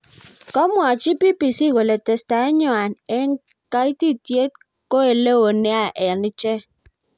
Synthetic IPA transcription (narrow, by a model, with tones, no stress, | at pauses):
kɔ˦mwa˨t͡ʃi˦pi˦pi˨si˦˨we˨le˨te˨sta˨e˦ɲɔ˨a˨ne˦ŋ˦ | ka˦i˦ti˦tje˦t̚ | ko˦e˨le˦wo˨ne˦a˨ʔɛ˨lni˦t͡ʃe˦